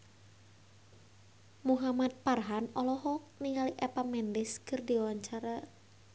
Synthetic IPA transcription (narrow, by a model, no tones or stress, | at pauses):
muɦamat̪̚parɦanɔlɔɦɔk̚niŋaliʔɛpamɛndɪskɨrdiwaɲt͡ʃaɾa